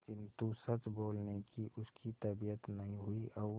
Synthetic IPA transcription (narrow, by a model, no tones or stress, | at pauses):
t͡ʃɪnt̪usɐt͡ʃboːlnekiʔʊskit̪ɐbijət̪nɐɦĩɦʊiʔɔː